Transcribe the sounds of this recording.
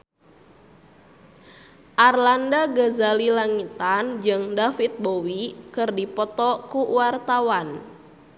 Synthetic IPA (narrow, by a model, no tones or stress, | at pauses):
ʔarlandaɡəzalilaŋit̪and͡ʒɨŋdafit̪̚bowikɨrdipɔt̪ɔkuwart̪awan